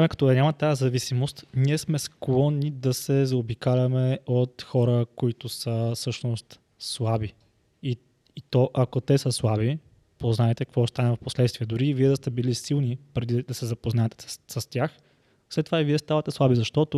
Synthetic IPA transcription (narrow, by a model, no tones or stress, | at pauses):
amɛkɐt̪ɔd̪ɐɲʲamɐt̪ajəzɐvisimost̪niɛsmɛsklˠɔnːid̪ɐsɛzɐobikalʲɐmɛot̪xɔɾəkoit̪ʊsəfsɤʃnost̪ | slˠabi | i | it̪ɔʔɐkot̪ɛsəslˠabi | poznaɛt̪ɛkɐkvɔst̪anɛvɐfposlɛt̪st̪viɛd̪ʊɾiːviɛd̪ɐst̪ɛbilisilˠnipɾɛd̪id̪ɐsɛzɐpoznaɛt̪ɛ̥sɐst̪ʲax | slɛt̪ːovaiviɛst̪avɐt̪ɛslˠabizɐʃt̪ɔt̪o